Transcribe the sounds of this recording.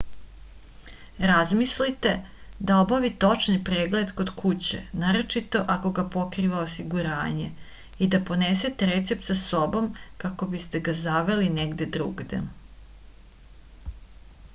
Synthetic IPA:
ɾazmislit̪e̞d̪ao̞baʋit̪o̞t͡ʃnipɾeːɡle̞d̪ko̞d̪kʰut͡ɕḛnaːɾo̞t͡ʃit̪o̞ʔako̞ɡapo̞kɾiʋaosiɡuɾa̰ːɲe | id̪apo̞neset̪eɾet̪sep̚t̪saso̞bo̞mkako̞bist̪eɡazaʋe̞lineɡd̪e̞d̪ɾṵːɡd̪ḛ

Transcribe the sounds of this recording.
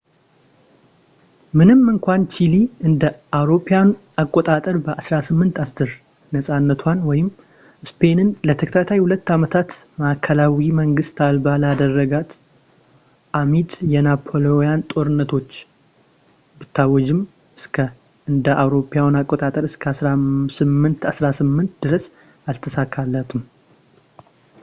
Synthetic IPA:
mɨnɨmːɨŋkʷant͡ʃiliɨnd̪əawɾo̞pʰejawn | akʼːot̪ʼat̪ʼəɾbəʔasɾasɨmːɨnt̪ast̪ɨɾ | nəsʼanːət̪ʰwanwɔjɪmː | spʰe̞nɨnlət̪ʰəkʰt̪ʰat̪ʰajhulət̪ːamət̪ʰat̪ | makʰəlawiməŋɡɨst̪albalad̪ərːəɡat̪ | ʔamit̪jɛnapʰo̞lojant̪ʼo̞ɾɨnːət̪ʰo̞t͡ʃː | bɨt̪ʰːawɔd͡ʒɪm | ɨskʰə | ɨnd̪əʔawɾo̞pʰːjawnakʼːot̪ʼat̪ʼəɾɨskʰəasɾasɨmːɨnt̪ʰasɾasɨmːɨnt̪d̪ɨɾəs | alt̪ʰəsakʰːalːət̪ʰɨm

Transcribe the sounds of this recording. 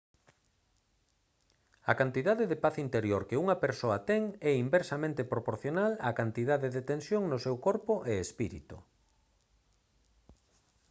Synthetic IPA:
ɐkant̪iðaðeðepaθint̪eɾjoɾkeuŋɐpeɾsoɐt̪ɛŋɛimbeɾsamẽnt̪epɾopoɾθjonalɐkant̪iðaðeðet̪ẽnsjoŋnʊsɛwkoɾpʊʔeespiɾḭt̪ʊ̰

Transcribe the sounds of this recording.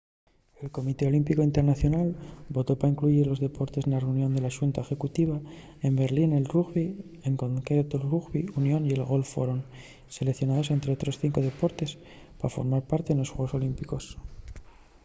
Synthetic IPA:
e̞lko̞mit̪e̞o̞limpikoint̪e̞ɾnaθjo̞nalbo̞t̪o̞paiŋkluʝiɾlo̞zðe̞po̞ɾt̪e̞senlareunjo̞nd̪e̞laʃunt̪aexe̞kut̪iβa | e̞mbe̞ɾline̞lruɣβi | eŋko̞ŋkɾɾe̞t̪olruɣβiunjo̞nie̞lɣo̞lfo̞ɾon | selekθjo̞naðose̞nt̪ɾe̞o̞t̪ɾo̞sθiŋko̞ð̞e̞po̞ɾt̪e̞s | pafo̞̰ɾmaɾpaɾt̪eenlo̞sxwe̞ɣ̞o̞so̞limpiko̞s

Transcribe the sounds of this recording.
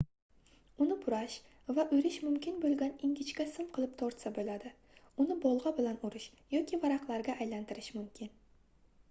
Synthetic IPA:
ʊnɪbʊɾaʃ | vaʔɵjɾɪʃmʊmkʲɪnbolˠɡʲanɪŋɡʲɪt͡ʃkʲasɪmqʰɨlˠɪp̚t̪ʰɒɾt̪sabolad̪ɪ | ʊnɪbɒlˠʁɑbɪlanʊɾɪʃ | jɒkʲʰivaɾaqlˠaɾɡʲaʔːjlant̪ʰɪɾɪʃmʊmkʲʰɪn

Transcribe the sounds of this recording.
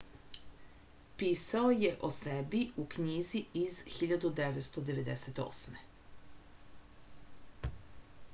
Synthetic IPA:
piːsaoje̞ʔosebiukɲiːziizxiʎad̪ud̪eʋet̪st̪od̪e̞ʋe̞d̪eset̪o̰ːsme

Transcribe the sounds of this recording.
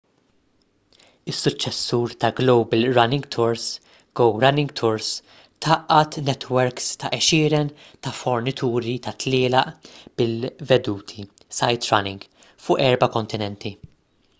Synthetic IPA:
ɪsːʊt͡ʃːɛsːuːɾt̪ɐɡlowbɪlɾɐnɪŋɡt̪ʰʊɾs | ɡ̥ɔwɾɐnɪŋɡt̪ʰʊɾs | t̪ʰɐʔɐt̪nɛt̪wɛɾkst̪ɐʔɛʃɪːɾɛn | t̪ɐfɔɾnɪt̪ʰuːɾit̪ɐt̪lɪːlɐʔb̥ɪlvɛd̪uːt̪ʰi | sɐjt̪ɾɐ̰nɪŋɡ | fʊːʔɛɾbɐkɔnt̪ɪnɛnt̪ʰi

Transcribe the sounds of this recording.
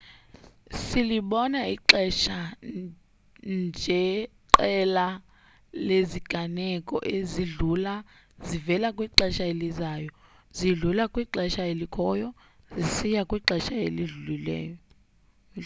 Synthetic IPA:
siliɓɔnaiǃɛʃa | nd͡ʒʱɛǃɛla | leziɡ̥ʱanɛkʼɔ̰ʔeziɮula | zivɛlakʼwiǃɛʃaelizaːjɔ | ziɮulakʼwiǃɛʃajelikʰɔːjɔ | zisijakʼwiǃɛʃaḛliɮulilɛ̰ːjɔ

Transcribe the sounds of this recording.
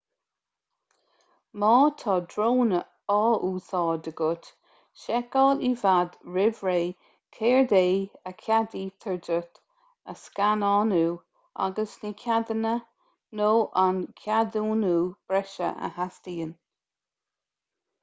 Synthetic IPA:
mɑːt̪ʰɑːd̪ɹoːnə | ɔːʔuːsɑːɹd̪əɡʊt | ʃɛkɔːlivad̪ɹɪvɹeː | kʰeːɹd̪eːəkʰjad̪iːt̪ʰəɹdət̪ | əskanɑːnuː | a̰ɡəsnikʰʲad̪ənə | noːʔankʰjad̪uːnuːb̥ɾɛʃə̰ʔə̰hastiːən

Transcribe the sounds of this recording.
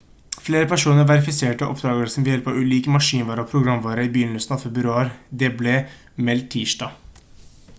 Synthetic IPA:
fleːɾəpʰæʂuːnəɾʋæɾɪfɪseːʈəʔɔ̰pʰd̪ɾɑːɡəɾsɔm̩ʋɪljɛlpɑʉːliːkəmɑʂiːnʋɑːɾəɔpʰɾʊɡɾɑmʋɑːɾəiːbyːlʉːsn̩ɑfɛbɾʉɾøɑɾd̪ɛbleː | mɛlt̪ʰiːʂɖɑː

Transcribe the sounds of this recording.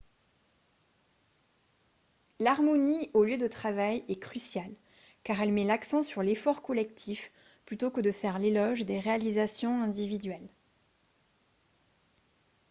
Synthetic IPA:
laʁmɔnioljød̪ət̪χavajɛkχysjal | kaʁɛlmɛlaksɑ̃syʁlefɔʁkɔlɛkt̪ʰif | plyt̪okəd̪əfɛʁlelɔʒd̪eʁealizasjɔ̃ɛ̃d̪ivid̪ɥɛl

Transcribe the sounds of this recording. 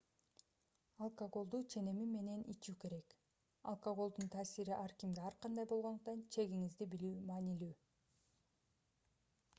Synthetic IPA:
alˠkoɡo̞lˠd̪uːt͡ʃʰe̞ne̞mime̞ne̞nʔit͡ʃuːke̞ɾe̞k | ɑ̰lˠkoɡo̞lˠd̪unt̪ʰaːsiɾiʔɑɾkimɡeɑɾqɑnd̪ɑjbolˠʁond̪uq̚t̪ɑnt͡ʃʰe̞ɡiŋizd̪ibilyːmɑːnilyː

